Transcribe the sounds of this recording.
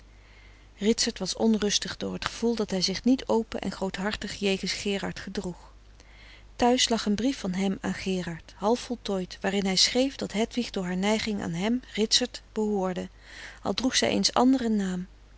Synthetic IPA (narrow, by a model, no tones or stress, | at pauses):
rɪtsəɹtʋɑsɔnrɵstəχdʊ̰ːɹɦətχəv̥ulˠdɑtɦɛjzɪχnitowpə̰ʔɛ̰nχrowtɦɑɹtəχjejχənsχɪːɹɑ̰ɹtχədruχ | tœɥslɑχənbrifɑnɦɛma̰ːnχɪːrɑɹtɦɑlˠfɔlˠtɔjtʋaːrɪnɦɛjsχrejfdɑtɦɛtʋiχdʊːɹɦaːɹnɛjχɪŋa̰ːnɦɛmrɪtsəɹtb̥əɦʊːɹdə | ʔɑ̰lˠdruχsɛ̰jʔḛjnsɑ̰ndərənaːm